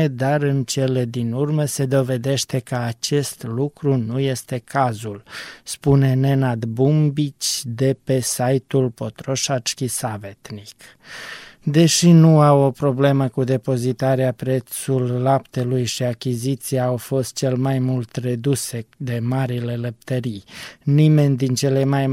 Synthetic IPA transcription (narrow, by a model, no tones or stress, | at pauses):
ed̪aɾɨnt͡ʃe̞le̞d̪inurməse̞d̪o̞ve̞d̪e̞ʃt̪e̞kəat͡ʃe̞st̪lukɾunuje̞st̪e̞kʰazulspune̞ne̞nad̪bumbit͡ʃʲd̪e̞pe̞sajt̪ulpo̞t̪ɾo̞ʃat͡ʃkʲisavet̪nik | d̪e̞ʃinuawo̞pɾo̞ble̞məkud̪e̞po̞zit̪aɾeapɾe̞t̪sulːapt̪e̞lujʃiakʲizit̪sijaːwfo̞st̪̚t͡ʃe̞lmajmult̪re̞d̪use̞d̪e̞maɾile̞ləp̚t̪əɾijnime̞nʲd̪int͡ʃe̞lemaj